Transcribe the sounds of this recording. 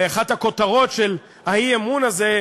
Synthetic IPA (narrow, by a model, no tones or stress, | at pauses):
eaχatako̞taʁo̞tʃe̞l | aiemunaze̞